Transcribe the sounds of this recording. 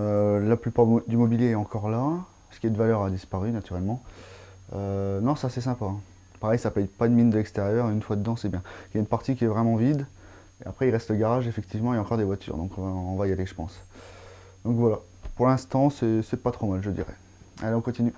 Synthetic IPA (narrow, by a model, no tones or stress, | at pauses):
ølaplypaʁd̪ymɔbiljeɛɑ̃kɔʁla | sə̥kʲiɛd̪əvalœʁad̪ispaʁynat̪yʁɛlmɑ̃ | ønɔ̃sasɛsɛ̃paɛ̃ | paʁɛjsapɛjpad̪əmind̪əlɛkst̪eʁjœʁeynfwad̪əd̪ɑ̃sɛbjɛ̃iljaynpaʁt̪ikʲiɛvʁɛmɑ̃vid̪ | eapχɛilʁɛst̪ləɡaʁaʒefɛk̚t̪ʰivmɑ̃ejaɑ̃kɔʁd̪evwat̪ʰy̰ʁd̪ɔ̃kɔ̃vaɔ̃vajaleʒəpɑ̰̃s | d̪ɔ̃kvwala | puʁlɛ̃st̪ɑ̃sɛsɛpat̪χomalʒəd̪ḭʁɛ̰ | aleɔ̃kɔ̃t̪iny